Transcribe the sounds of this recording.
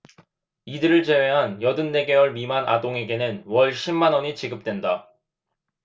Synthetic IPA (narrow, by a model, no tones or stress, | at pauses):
idɯɾɯɭt͡ɕe̞we̞ɦanjʌdɯnːe̞ɡe̞wʌɭmimanʔa̰doŋe̞ɡe̞nɯnwʌɭɕʰimːanʌɲit͡ɕiɡɯp̚t͈we̞nda